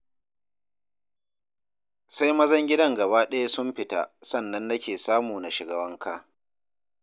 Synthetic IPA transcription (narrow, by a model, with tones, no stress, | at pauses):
sa˦jmɐ˦zɐ˦ŋɡʲɪ˦dɐ˦˨ŋɡɐ˨baː˦ɗɐ˦ja˦sʊ˦mɸɪ˨ta̰˦sɐ˦˨nːɐ˦nːɐ˦kʲeː˨saː˦muː˨na˨ʃɪ˨ɡɐ˨wɐ˦ŋkʰaː˦